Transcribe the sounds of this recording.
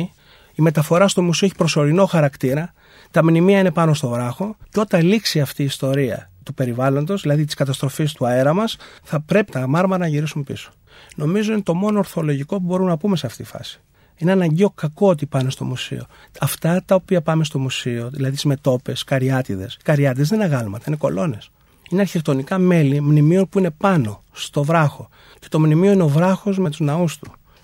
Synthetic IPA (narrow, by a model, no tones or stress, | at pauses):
ime̞t̪ɐfo̞ɾɐst̪o̞musioeçi̥pɾo̞so̞ɾino̞xɐɾɐkt̪iɾɐ | t̪ɐmnimiɐine̞pɐno̞st̪o̞vɾɐxo̞ceo̞t̪ɐliksiɐft̪iːst̪o̞ɾiɐ̰t̪upe̞ɾivɐlo̞nd̪o̞zðilɐðit̪i̥skɐt̪ɐst̪ɾo̞fist̪uɐeɾɐmɐsθɐpɾe̞pi̥t̪ɐmɐɾmɐɾɐnɐʝiɾisumpḭso̥ | no̞mizoinet̪omo̞no̞ːɾθo̞lo̞ʝiko̞pubo̞ɾumnɐpumeseɐft̪it̪i̥fɐ̰si̥ | ineɐnɐɲɟeo̞kɐko̞ot̪ipɐne̞st̪o̞̰musḭo | ɐft̪ɐt̪ɐopiɐpɐme̞st̪o̞musio̞ðilɐðit̪izme̞t̪o̞pe̞skɐɾiɐt̪iðe̞̰skɐɾiɐt̪iðezðenɐɣɐlmɐt̪ɐineko̞̰lo̞ne̞s | ineɐɾçekt̪o̞nikɐme̞limnimio̞npuine̞pɐno̞ | st̪o̞vɾɐxo̞ | ce̞̥t̪o̞mnimioineovɾɐxo̞zme̞t̪uznɐust̪u